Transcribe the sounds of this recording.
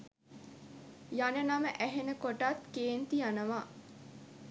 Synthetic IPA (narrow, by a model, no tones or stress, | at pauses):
janənaməʔæɦenəkoʈat̪keːnt̪ijanəʋaː